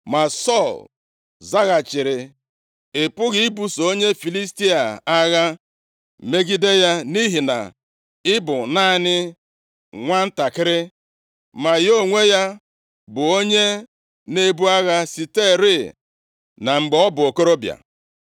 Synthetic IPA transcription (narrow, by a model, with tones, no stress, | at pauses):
ma˨sɔ˦˨l | za˦ɣa˨t͡ʃɪ˨ɾɪ˨ | ɪ˨pʊ˦ɣi˦i˦bu˨so˦ɲe˦fi˨li˦sti˦a˨a˦ɣa˦ | me˦ɡi˦de˦ja˦ni˦ɦi˨na̰˨ | ɪ˦bʊ˨naː˦˨nɪ˦ | ŋʷa˦n̩˦ta˨kɪ˦ɾɪ˦ | ma˨jo˦˨ŋʷe˦ja˦ | bʊ˨o˦ɲe˦ | ne˦bu˦a˦ɣa˦si˨te˦˨ɾi˦˨ | na˨ŋ͡m̩˨ɡ͡be˨ɔ˦bʊ˨o˨ko˦ɾo˦bja̰˨